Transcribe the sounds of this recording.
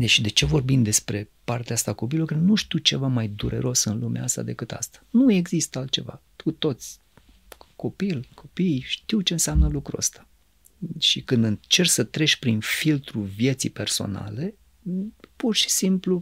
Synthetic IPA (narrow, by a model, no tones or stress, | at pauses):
d̪eʃid̪e̞t͡ʃe̞vo̞rbimd̪e̞spɾe̞part̪east̪ako̞p̬ilokɨnnuʃt̪iwt͡ʃe̞vamajd̪uɾe̞̰ɾo̞sɨnlumeast̪a̰d̪e̞kɨt̪a̰st̪ḁnue̞ɡzist̪əalt̪̚t͡ʃe̞̰va̰t̪ut̪o̞t̪sʲ | ko̞pilkʰo̞pijʃt̪iwt͡ʃe̞ɨnseamnəlukɾuo̰st̪ḁ | ʃikɨnd̪ɨnt͡ʃe̞rsət̪ɾe̞ʃʲpɾinfilt̪ɾuvje̞t̪sḭjpe̞rso̞̰na̰le̞ | purʃi̥simplu